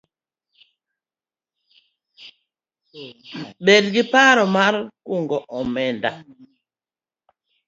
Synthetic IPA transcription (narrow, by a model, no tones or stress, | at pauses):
ɓɛdɡipaɾɔmaɾkuŋɡɔʔɔmɛnda̰